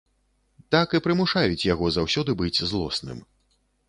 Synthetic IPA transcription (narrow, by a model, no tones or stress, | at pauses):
t̪akɨpɾɨmuʂajut͡sʲjaɣɔzawsʲɔd̪ɨbɨt͡sʲzlˠɔ̰snɨ̰m